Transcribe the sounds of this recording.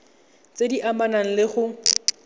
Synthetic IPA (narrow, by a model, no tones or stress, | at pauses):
t͡sʼediʔamanaŋ̩lɪχʊ